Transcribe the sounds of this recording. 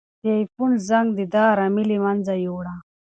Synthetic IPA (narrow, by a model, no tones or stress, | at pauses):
t̪ejpunzɐŋɡd̪id̪aːɾɐmilimɐnzɐjoːɽa